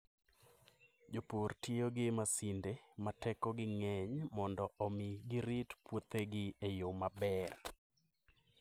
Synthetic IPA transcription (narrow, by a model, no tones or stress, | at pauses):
d͡ʒoportioɡɪmasɪndematɛkɔɡɪŋɛɲmɔndɔʔɔmɪɡɪɾitpwot̪eɡɪejomabɛr